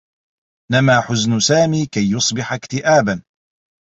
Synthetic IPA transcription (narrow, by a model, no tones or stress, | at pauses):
ɪnamaːħʊznʊsaːmiːkajːʊsˤbɪħakt̪ɪʔaːban